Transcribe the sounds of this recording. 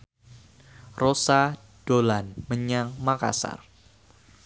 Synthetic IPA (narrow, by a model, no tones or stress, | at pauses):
rosa | d̥olanməɲaŋmaka̰sa̰r